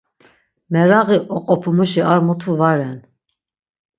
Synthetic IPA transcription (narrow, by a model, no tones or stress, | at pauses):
mɛɾaɣiʔɔqʼɔpʰumuʃiaɾmut̪ʰuvaɾɛn